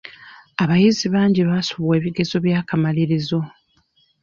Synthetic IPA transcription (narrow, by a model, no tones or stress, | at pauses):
aβajiziβaːɲɟiβasuβwe̞ːβiɡe̞zo̞βjaːkamaliɾizo̞